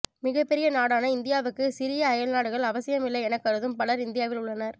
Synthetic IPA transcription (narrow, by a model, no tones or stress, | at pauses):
mɪɣɐpːɛɾɪjɐnaːɽaːnɐɪnd̪ɪjaːʋɯkːɯsɪɾɪjɐːjɐlnaːɽɯɣɐɭɐʋɐsɪjɐmɪlːɐɪɛnɐkːɐɾɯðɯmpɐɭɐɾɪnd̪ɪjaːʋɪlʊɭːɐnɐɾ